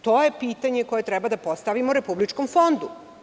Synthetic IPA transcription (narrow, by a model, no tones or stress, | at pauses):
t̪oːjepiːt̪aɲeko̞je̞t̪ɾɛbad̪apost̪aʋimouɾepublit͡ʃkomfo̞nd̪u